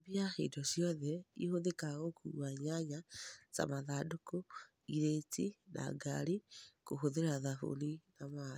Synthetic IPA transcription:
biahḛdɔsjɔðɛihoðekaɣokṵwaɲaɲasa̰maðadoko | iɾetina̰ɡaɾikohoðeɾaðaɦo̰linama

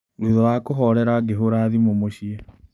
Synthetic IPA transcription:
ɾuðɔwakoɦɔɾɛɾaɡeɦoɾaðimomoɕiɛ

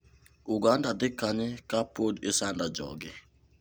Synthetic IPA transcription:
uɡandadɪkaɲɪkapodɪsandad͡ʒɔ̰ɡɪ

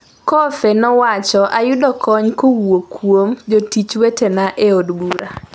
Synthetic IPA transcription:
kɔfenɔwat͡ʃɔʔajʊdɔkɔɲkowokwomd͡ʒotit͡ʃwetenaʔeodbuɾa

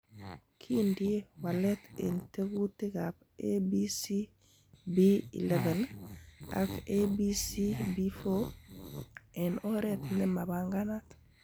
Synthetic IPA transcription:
kʰindiwaletḛnteɡutiɡap | ebisi | biḭleven | a̰kebisibifo | enoɾet̪nemabaŋɡanat

